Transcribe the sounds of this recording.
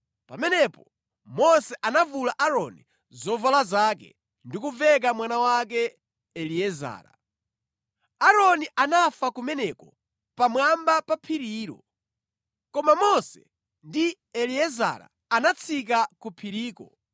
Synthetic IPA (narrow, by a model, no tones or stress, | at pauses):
pamɛnɛpɔ | mɔsɛʔanavulaʔaɾɔnḭ | zɔvalazakɛ̰ | ndikuvɛk̬amwanawak̬ɛ | ɛliɛza̰ːɾa̰ | aɾɔniʔanafakumɛnɛkɔ | pamwambapapʰiɾiːɾɔ̰ | kɔmamɔsɛ | ndi | ɛliɛza̰ɾa̰ | anat͡sʰik̬akupʰiɾiːkɔ̰